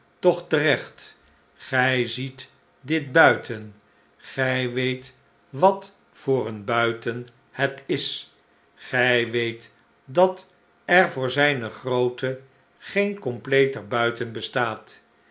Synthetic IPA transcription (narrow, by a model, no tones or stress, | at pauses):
tɔχtərɛχt | χɛjzit | dɪt̚bœɥtʰən | χɛjʋejt | ʋɑt | fʊːrənbœɥtən | hɛtɪs | χɛjʋejt | dɑt | ɛɹvʊːɹzɛjnəχrowtə | χejnkɔmplejtərbœɥtənbəstaːt